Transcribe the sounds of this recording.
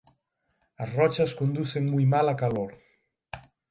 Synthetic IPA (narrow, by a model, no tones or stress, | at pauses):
ɐsrɔt͡ʃɐskond̪uθeŋmujmalɐkaloɾ